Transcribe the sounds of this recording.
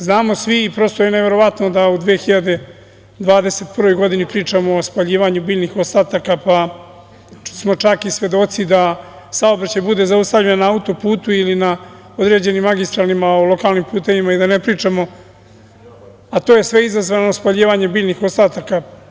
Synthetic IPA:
znaːmo̞sʋipɾost̪ojene̞ʋe̞ɾo̞ʋat̪no̞d̪aud̪ʋexiʎad̪e̞ | d̪ʋaːd̪e̞se̞t̪̚pr̩ʋo̞jɡo̞d̪inipɾiːt͡ʂamoospaʎiːʋaɲubiːʎnixo̞st̪aːt̪akapa | smo̞t͡ʃakisʋʲje̞d̪o̞t̪sid̪a | sao̞bɾat͡ɕajbud̪e̞zaust̪avʎenonaaut̪o̞puːt̪uilina | o̞d̪ɾe̞ːd͡ʑe̞nimːaɡist̪ɾalimaolo̞kaːlˠnimpuːt̪e̞ʋimaid̪ane̞pɾiːt͡ʂamo̞ | at̪oːje̞sʋe̞izazʋanospaʎiːʋaɲebiːʎnixo̞st̪aːt̪aka

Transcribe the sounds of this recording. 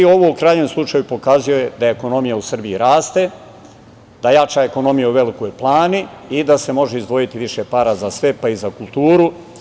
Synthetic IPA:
o̞ʋoukɾaːɲeːmslˠut͡ʂajupo̞kazijojed̪aeko̞no̞mijausr̩biiɾaːst̪e | d̪ajat͡ʃae̞ko̞no̞mijauʋe̞likojplˠaːniid̪ase̞mo̞ʒeizd̪ʋo̞jit̪iʋiʃe̞paːɾazasʋe̞paizakulˠt̪uːɾu

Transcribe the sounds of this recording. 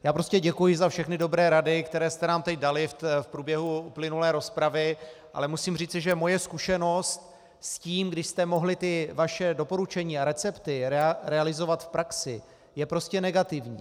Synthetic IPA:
jaːpɾo̞scɛɟɛkujɪzafʃɛxnɪdo̞bɾɛːɾadɪkt̪ɛɾɛːst̪ɛnaːmt̪ɛcdalɪffpɾuːbjɛɦuuplɪnulɛːɾo̞spɾavɪʔa̰lɛmusiːmriːt͡sɪʒɛmo̞jɛskuʃɛno̞st̪̚ | sciːmɡdɪʃst̪ɛmo̞ɦlɪt̪ɪvaʃɛdo̞po̞ɾut͡ʃɛɲiːaɾɛt͡sɛpt̪ɪɾɛɾɛalɪzo̞vat̪fpɾʔaksɪ | jɛpɾo̞scɛnɛɡat̪ɪvɲḭː

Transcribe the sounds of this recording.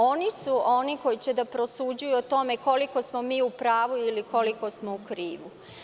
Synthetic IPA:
o̞nisuo̞niko̞jit͡ɕed̪apɾo̞sud͡ʑujuot̪o̞me̞ko̞liko̞smo̞miːupɾaːʋuiliko̞liko̞smoukɾiːʋu

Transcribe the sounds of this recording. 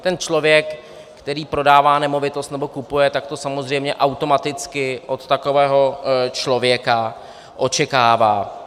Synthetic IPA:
t̪ɛnt͡ʃlo̞vjɛkː | t̪ɛɾiːpɾo̞daːvaːnɛmo̞vɪt̪o̞st̪nɛbo̞kupujɛt̪ak̚t̪o̞samozr̝ɛjmɲɛʔawt̪o̞mat̪ɪt͡skɪʔo̞t̪t̪ako̞vɛːɦo̞t͡ʃlo̞vjɛka | ʔo̞t͡ʃɛkaːvaː

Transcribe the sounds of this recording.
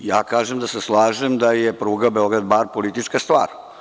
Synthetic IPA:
ja̰ːkaːʒemd̪aseslˠaːʒemd̪ajepɾuːɡabe̞o̞ɡɾad̪baɾpo̞lit̪it͡ʃkast̪ʋa̰ːɾ

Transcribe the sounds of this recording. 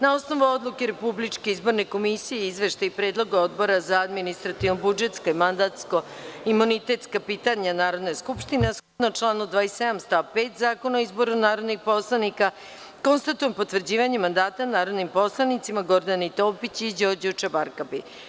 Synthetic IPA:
nao̞sno̞ʋuo̞d̪lˠukeɾepublit͡ʃke̞izbo̞ɾne̞ko̞misijeizʋe̞ʃt̪aipɾeːd̪lˠo̞ɡao̞d̪bo̞ɾazaad̪minist̪ɾat̪iʋnobud͡ʒe̞t̪skaimand̪at̪sko̞imunit̪e̞t̪skapiːt̪aɲanaːɾod̪naskupʃt̪inesxod̪not͡ʃlˠaːnud̪ʋaːese̞d̪amst̪apeːt̪zaːko̞naoizbo̞ɾunaːɾo̞d̪nixpo̞slˠanika | ko̞nst̪at̪ujempo̞t̪ʋr̩d͡ʑiːʋaɲemand̪aːt̪anaːɾo̞d̪nimpo̞slˠanit̪simaɡo̞ɾd̪anit̪o̞ːpit͡ɕid͡ʑoɾd͡ʑut͡ʃabaɾkapi

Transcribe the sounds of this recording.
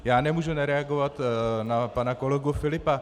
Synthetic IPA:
jaːnɛmuʒunaɾɛaɡovat̪napanakolɛɡufɪlɪpa

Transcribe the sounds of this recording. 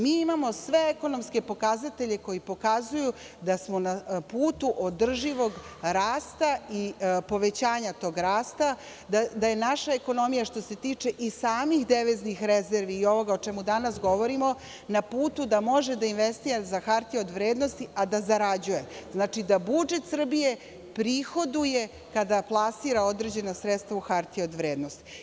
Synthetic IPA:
miːimamo̞sʋe̞eko̞no̞mske̞po̞kazat̪eʎe̞ko̞jipo̞kazuju | d̪asmo̞napuːt̪uʔod̪r̩ʒiʋo̞ɡ | ɾaːst̪aipo̞ʋe̞t͡ɕaːɲat̪o̞ɡɾaːst̪a | d̪ad̪aje̞naʃaeko̞no̞mijaʃt̪o̞se̞t̪iːt͡ʂe̞ʔisaːmixd̪eʋeznixɾezeɾʋiːo̞ʋo̞ɡaot͡ʃemud̪anasɡo̞ʋo̞ɾimo̞ | napuːt̪ud̪amo̞ʒed̪ainʋest̪iːɾazaxaɾt̪io̞d̪ʋɾeːd̪nost̪iʔad̪azaɾad͡ʑujeznaːt͡ʃid̪abud͡ʒe̞t̪sr̩bije̞ | pɾixo̞d̪uje | kad̪aplˠasiːɾao̞d̪ɾed͡ʑe̞nosɾet̪st̪ʋauxaɾt̪ieod̪ʋɾeːd̪nost̪i̥

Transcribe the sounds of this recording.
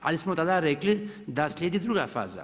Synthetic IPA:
a̰lismot̪alaɾekli | d̪aslʲed̪id̪ɾuɡafa̰ːza̰

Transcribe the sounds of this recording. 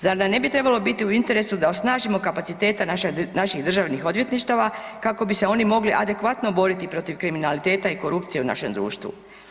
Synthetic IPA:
zaɾnamne̞bit̪ɾe̞balo̞bit̪iuint̪e̞ɾe̞sud̪aosnaːʒimo̞kapat̪sit̪e̞ːt̪ananaʃiɣd̪r̩ʒaʋnixo̞d̪ʋje̞t̪niʃt̪aʋakako̞bise̞o̞nimo̞ɡliʔad̪e̞kʋat̪no̞bo̞ɾit̪ipɾo̞t̪iʋkɾiminalit̪e̞ːt̪aiko̞ɾupt̪sijeuna̰ʃe̞md̪ɾṵːʃt̪ʋṵ

